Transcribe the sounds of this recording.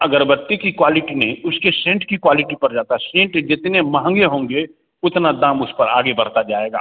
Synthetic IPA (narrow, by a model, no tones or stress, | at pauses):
ɐɡəɾbət̪ːekikwaːlɪʈinẽʊskesẽːɳʈkikwaːlɪʈipɐɾd͡ʒaːt̪aɦɛsẽːɳʈd͡ʒɪt̪nemɐɦə̃ŋɡeɦõːŋ̆ɡe | ʊt̪nad̪ãːmʊspɐɾaːɡebɐɾ̤t̪ad͡ʒaːeːɡa̰ː